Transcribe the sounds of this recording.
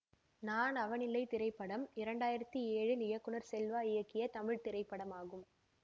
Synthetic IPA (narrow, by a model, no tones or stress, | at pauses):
naːnɐʋɐnɪlːɐɪt̪ɪɾɐɪpːɐɽɐmɪɾɐɳɖaːjɪɾɐt̪ːieːɻɪlɪjɐkːɯɳɐɾsɛlʋaːɪjɐkːɪjɐt̪ɐmɪɻt̪ɪɾɐɪpːɐɽɐmaːɣɯm